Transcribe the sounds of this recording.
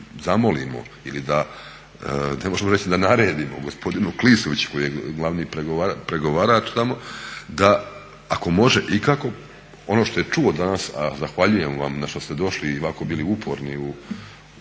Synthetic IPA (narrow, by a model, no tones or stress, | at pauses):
zamo̞lḭmo̞̰ | ilid̪a | ne̞mo̞ʒemoɾet͡ɕid̪anaɾe̞ːd̪imoɡo̞spo̞d̪inuklisoʋit͡ɕu̥ko̞jijeɡlˠaʋniːpɾeɡoʋapɾeɡo̞ʋaːɾat͡ʃt̪amo̞d̪aː | ko̞mo̞ʒeʔikako̞ | o̞noʃt̪o̞je̞t͡ʃuo̞d̪anasa̰zaxʋaʎuje̞mʋa̰mnaʃt̪ost̪e̞d̪o̞ʃliːʋako̞biːliupʰo̞̰ɾniu